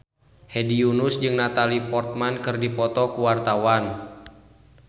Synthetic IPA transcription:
hediunusd͡ʒɨŋnat̪alipɔrt̪̚mankɨrdipɔt̪ɔkuwart̪awan

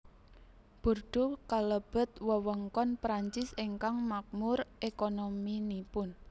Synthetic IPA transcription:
b̥o̤rɖ̥o̤kaləb̥ə̤t̪̚wəwəŋkɔnpɾaɲt͡ʃɪsiŋkaŋmak̚mʊrekonominipʊn

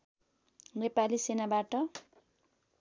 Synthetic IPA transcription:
repalisenabaʈʌ

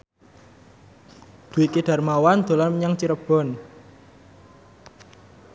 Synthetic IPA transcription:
d̪̥uwikiɖ̥a̤rmawand̪̥o̤lanməɲaŋt͡ʃiɾəb̥ɔ̤n

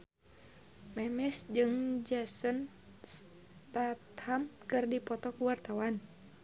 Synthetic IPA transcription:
mɛmɛsd͡ʒɨŋd͡ʒasən | s | t̪at̪hamkɨrdipɔt̪ɔkuwart̪awan

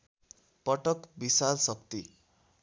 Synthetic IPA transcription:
pʌʈʌkbisalsʌk̚t̪i

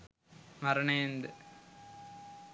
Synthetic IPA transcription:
mɐɾɐɳeːnd̪ɨ

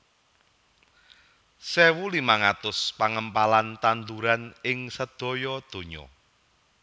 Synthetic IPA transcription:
sewulimaŋat̪ʊspaŋəmpalant̪and̪uɾanɪŋsəd̪̥ɔ̤jɔd̪̥o̤ɲɔ̰

